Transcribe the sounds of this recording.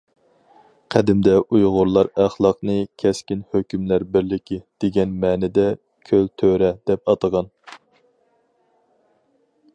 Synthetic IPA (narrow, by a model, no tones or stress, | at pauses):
qʰæd̪ɪmd̪ɛʔujʁʊɾlˠɑɾæχlˠɑqnɨkʲʰɛskʲinhøkʲymlæɾbɪɾlɪkʲid̪̥eɡʲɛnmɛːnɪd̪ɛ | kʲʰølt̪ʰøɾɛd̪̥ɛpɑt̪əʁɑn